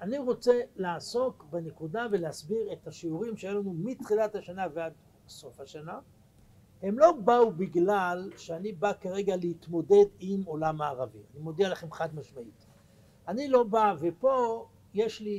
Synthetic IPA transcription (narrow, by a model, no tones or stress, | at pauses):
aniʁo̞t͡se̞laːso̞kbenekudaveleasbiʁe̞t̪haʃiuʁimʃejelanumit̪χilathaʃanavead | so̞fhaʃana | he̞mlo̞baubiɡlalʃeanibakaʁe̞ɡaleit̪mo̞dedimo̞lamaːʁavḭanimo̞d̪ialaχemχad̪maʃmait | anilo̞bave̞po̞ | je̞ʃli